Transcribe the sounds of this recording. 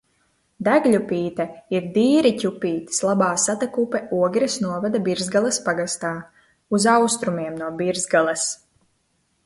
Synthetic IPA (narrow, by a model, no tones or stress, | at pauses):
d̪æɡlʲupiːt̪aiɾd̪iːɾicʲupʲiːt̪i̥slˠabaːsat̪akupɛuɔɡɾisnuɔvad̪abiɾzɡalˠaspaɡast̪aː | uzawst̪ɾumiɛmnuɔbiɾzɡalˠas